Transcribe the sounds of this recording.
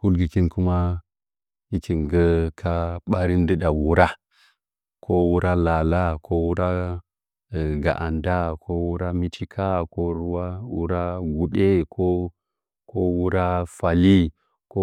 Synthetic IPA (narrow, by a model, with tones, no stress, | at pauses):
ku˦lɡi˨ki˦nku˦ma˦ | i˦ki˨nɡə˦kʰa˦ɓa˦ɾi˦n˦də˦ɗa˨wu˦ɾa˦ | kʰo˦wu˦ɾa˦la˨la˦kʰo˦wu˦ɾa˦˨ | ɡa̰˨ʔa˨nda˦kʰo˦wu˦ɾa˦mi˦t͡ʃi˦kʰa˦ko˦ɾu˦wa˦wṵ˦ɾa˦ɡu˨ɗe˦kʰo˦ | kʰo˦wu˦ɾa˦fa˨li˦ | ko˦